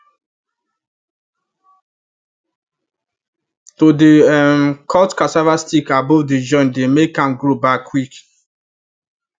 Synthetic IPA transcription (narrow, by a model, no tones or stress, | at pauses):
todeɛmkʰɔtkasavastikabɔvded͡ʒɔ̃ndemekãmɡɹobakwik